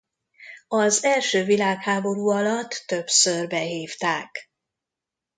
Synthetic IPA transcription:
ɒzɛlʃøːvilaːkhaːbo̞ɾuːɒlɒt̪ːø̞bsørbɛɦiːft̪aːk

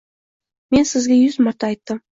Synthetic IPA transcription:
me̞nsɪzɡʲejʏzmɑɾt̪ɑːjt̪ːəm

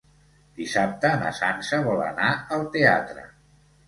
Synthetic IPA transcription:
d̪̥isap̚t̪əːnə̰sansəβɔlə̰naəlˠt̪ea̰t̪ɾə̰

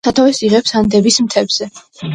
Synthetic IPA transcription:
at̪ʰavɛsiʁɛpsand̪ɛbismt̪ʰɛbz̥ɛ

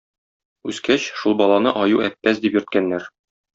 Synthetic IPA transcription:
ʉzkæɕʃulˠbɒlˠɑnɤʔɒjuæpːæsd̪ipjɵ̆ɾt̪̚kænːæɾ

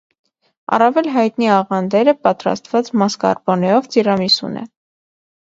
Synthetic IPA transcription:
ɑ̰rɑvɛlɦɑjt̪niɑʁɑnd̪ɛɾəpɑt̪ɾɑ̰st̪vɑt͡smɑskɑ̰ɾbɔnɛjɔvt͡sirɑmisṵnɛ̰

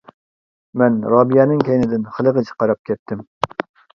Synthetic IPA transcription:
mɛnɾɑːbijɛːnɨŋkʲʰɛjnɪd̪ɪnχəlˠəʁət͡ʃʰɪ̥qɑɾɑp̚kʲʰɛt̪ʰːɪm

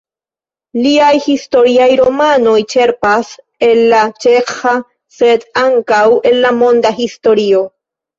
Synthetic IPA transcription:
liajhist̪o̞ɾiajɾomano̞jt͡ʃe̞ɾpas | elːat͡ʃexa | sed̪aŋkawe̞lːamõ̞nd̪ahist̪o̞ɾio̞

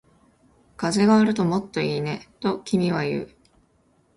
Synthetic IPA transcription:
kaze̞ɡaːɾɯ̟t̪o̞mo̞t̪ːo̞iːne̞t̪o̞kʲimʲiβ̞ajɯ̟̰ː

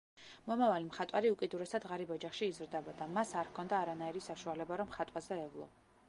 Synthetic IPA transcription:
mɔmavalimχat̪ʼwaɾiukʼid̪uɾɛsad̪ʁaɾibɔd͡ʒaχʃiːzɾd̪ɛbɔd̪amasaɾkʰɔnd̪aːɾanaiɾisaʃualɛbaɾɔmχat̪ʼwazɛːvlˠɔ̰

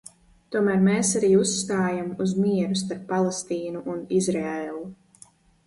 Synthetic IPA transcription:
t̪uɔmæːɾmeːsaɾiːusːt̪aːjamuzmiɛɾust̪aɾpːalˠest̪iːnuʔːnizɾɛellˠu

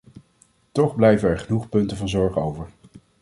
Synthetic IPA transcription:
tɔχblɛjvənɛɹχənuχpɵntəvɑnzɔɹχowvəɹ

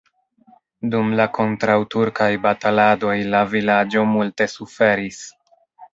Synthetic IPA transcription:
dumlako̞ntɾawtuɾkajbatalado̞jlavilad͡ʒo̞multe̞sufe̞ɾis

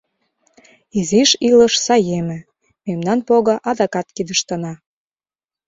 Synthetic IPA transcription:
iziʃiləʃsɑjemɘ̆ | memnɑnpoɣɤ̆ʔɑd̪ɑkɑt̪kid̪əʃt̪ənɑ

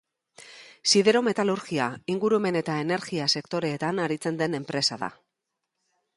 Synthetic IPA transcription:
siðeɾo̞me̞t̪aluɾɣiaiŋɡuɾueme̞ne̞t̪ae̞ne̞ɾɣiase̞kt̪o̞ɾe̞ːt̪anaɾit͡se̞nd̪e̞ne̞mpɾe̞saða̰

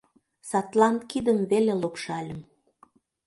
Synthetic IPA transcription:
sɑt̪lɑnt̪kid̪əmβelelopʃɑlʲə̆m

